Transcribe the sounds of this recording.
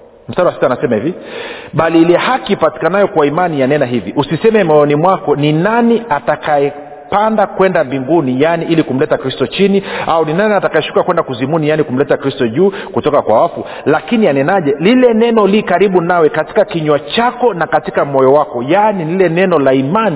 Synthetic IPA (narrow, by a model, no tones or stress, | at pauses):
m̩staɾawasitanasɛmahiviɓaliilɛhakipati̥kanajɔkwaimanijanɛnaɦiviʔusisɛmɛmɛɔnimwakɔninaniatakajɛ | pandakwɛndambiŋɡunijaniʔilikum̩lɛtakɾistɔt͡ʃiniauninaniatakajɛʃu̥kakwɛndakuzimunijanikum̩lɛtakɾistɔʄuːkutɔkakwawafu | lakinianɛnaʄɛlilɛnɛnɔlikaɾiɓunawɛkati̥kakiɲwat͡ʃakɔnakatikamɔjɔwakɔjanililɛnɛnɔlaimani